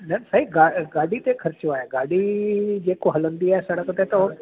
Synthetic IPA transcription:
nənsaːɦiɡaːɡaːɖit̪ekʰɐɾt͡ʃjõaːɦẽɡaːɖid͡ʑeːkoɦɐlə̃nd̪iaːɦesɐɽəkt̪et̪ɐ

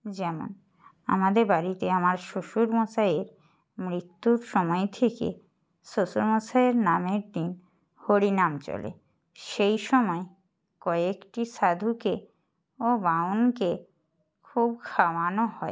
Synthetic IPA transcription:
d͡ʑɛmo̰n | a̰mad̪eɾbaɾit̪eamaɾʃoʃuɾmɔt͡ɕaeɾ | mɾit̪ːuɾʃɔmɔet̪ʰekḛ | ʃoʃuɾmɔt͡ɕaeɾnameɾd̪in | hoɾinamt͡ɕɔ̰lḛ | ʃejʃɔmɔe | kɔekʈiʃad̪ʱuke | obaonke | kʰubkʰawanohɔe

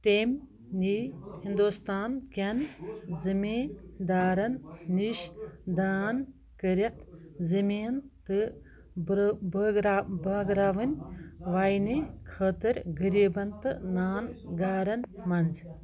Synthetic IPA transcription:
t̪emʲ | nihind̪ust̪aːnkʲɐnzɨmiːnd̪aːɾɐnniʃd̪aːn | kəɾʲɐt̪ʰzɨmʲiːnt̪ɨ | bɾabɐɡɾaːʋɨnʲʋaːjnikʰəːt̪ɨɾʲɡɨɾiːbɐnt̪ɨnaːnɡaːɾɐnmɐnz

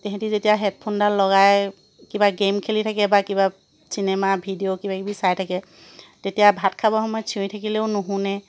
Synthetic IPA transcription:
tɛɦɛ̃tizetijaɦɛt̚pʰondalɔɡaj | kibaɡemkʰelitʰakɛbakiba | sinemabʱidiokibakibisajtʰakɛ | tetijabʱatkʰabɔxɔmɔjɔtt͡ʃʰiõjtʰakileʊnuɦũnɛ

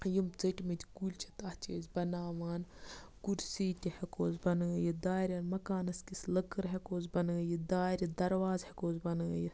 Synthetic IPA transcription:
jimt͡sɐʈʲmit̪ʰʲkuːlʲt͡ʃʰɐ̥t̪aht͡ʃeːzʲbɐnaːʋaːnkuɾsiːt̪ʲihekoːzbɐnɡɐjid̪aːɾʲjaːnmɐkaːnɐskislɐkɨɾɦekoːzbɐnɡɐjid̪aːɾʲid̪ɐɾʋaːzhekoːzbɐnɐ̰ji

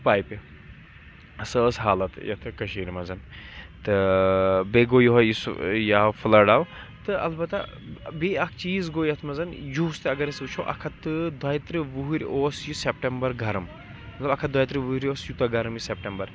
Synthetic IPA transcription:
paːjpi | səəsɦaːlɐt̪jɐ̰t̪ʰɨkɐʃiːɾʲimɐzɐnt̪ɨ | beɡoːjoɦɐjisjaːwfʰɨlɐɖaːw | t̪ɨɐ̰lbɐt̪ɐ | beɐkʰt͡ʃiːzɡojɐt̪ʰmɐzɐnjust̪eɐɡɐɾɐsɨt͡ʃʰoʔɐ̰kʰɐt̪ɨd̪ɐjt̪ɾɨʋuɦiɾʲoːsjusep̚ʈembɐɾɡɐɾɐm | mɐt̪lɐbɐkʰɐd̪ɐjt̪ɾɨʋuɾʲoːsjut̪ɐɡɐɾɐmjisep̚ʈembɐɾ

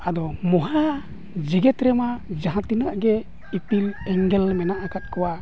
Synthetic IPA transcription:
ad̪ɔmɔɦa | d͡ʒiɡɛt̪ɾɛmad͡ʒaɦãt̪inəaʔɡɛ | ipilɛŋɡɛlmɛnaʔakʰat̪̚kɔwa

